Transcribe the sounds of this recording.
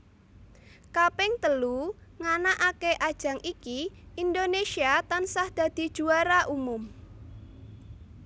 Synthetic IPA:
kapɪŋt̪əluŋanaʔakeʔad̥ʒ̥a̤ŋʔikiʔind̪onesiat̪ansahd̪̥a̤d̪̥i̤d̥ʒ̥ṳaɾaʔumʊm

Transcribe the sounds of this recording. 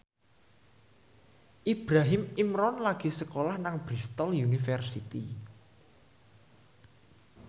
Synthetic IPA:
ʔib̥ɾaɦɪmimɾɔnlaɡ̥i̤səkolahnaŋb̥ɾist̪ɔljunifɛrsit̪i

